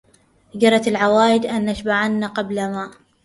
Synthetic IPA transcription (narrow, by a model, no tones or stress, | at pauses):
d͡ʒɑɾˤɑt̪alʕawaːjɪd̪ʔanːaʃbaʕanːaqɑblamaːʔ